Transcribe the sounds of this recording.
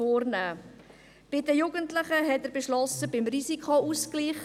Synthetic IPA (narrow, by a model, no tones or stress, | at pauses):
oːrnæː | b̥ɪdəjuɡəntləχəɦɛtəɾbeʃlɔsəbɪmrisikʰouskliːχ